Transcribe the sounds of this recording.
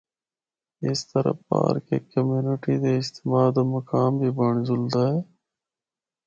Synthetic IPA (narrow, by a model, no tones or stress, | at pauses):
ɪst̪əɾə̰pa̰ːɾkḛːkəmjuːnɪʈiːd̪eːɪst̪ɪmaːd̪oːməkaːmbʱiːbəɳzʊld̪aːeː